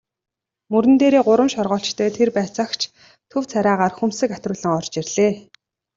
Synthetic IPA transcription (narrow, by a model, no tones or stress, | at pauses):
mɵɾɘ̆nt̪eːɾeːɢʊɾə̆mʃɔrʁɔːɬt͡ɕt̪ʰœːt̪ʰerpæːt͡săxt͡ɕʰ | t̪ʰɵwt͡sʰaɾʲaːʁaːrxɵmsɘ̆kat̪rʊːɮə̆ŋɔr̥t͡ɕirɮeː